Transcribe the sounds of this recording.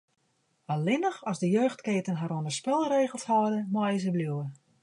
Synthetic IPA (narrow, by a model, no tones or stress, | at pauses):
alɪnəxɔzdəjøːxtkeːtənɦaɾoəndəspɪlˠreːɣəlˠshɔdəmɔɪz̬əbljuwə